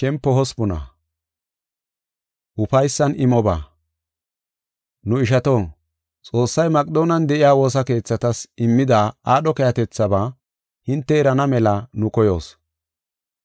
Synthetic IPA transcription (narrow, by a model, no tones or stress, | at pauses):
kɛmpːɔɦɔspʊnɐ̰ | ʔʊpɐjsːɐnɪmɔba̰ː | nʊɪʃ̬ɐt̪oː | t͡sʼo̞ːsːɐjmɐkʼɪd̪o̞ːnɐnd̪ɛʔɪjaːwo̞ːs̬ɐke̞ːt͡sːɐt̪ɐsɪmːɪd̪aːaːɗɔkɛjɐt̪ɛt͡sːɐbaː | hɪnt̪ːɛɛɾɐnɐmɛlɐnʊkɔjo̞ːs